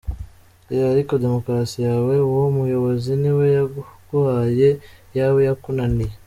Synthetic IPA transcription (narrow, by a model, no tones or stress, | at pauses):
ejaɾiko̞de̞mo̞kɾasijaːwe̞womujo̞βo̞ziniwejaɡ̥uhaje̞jawejakunanije